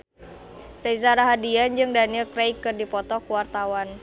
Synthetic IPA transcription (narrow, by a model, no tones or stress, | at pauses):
rezaɾaɦadiand͡ʒɨŋdanilkɾejkɨrdipɔt̪ɔkuwart̪awan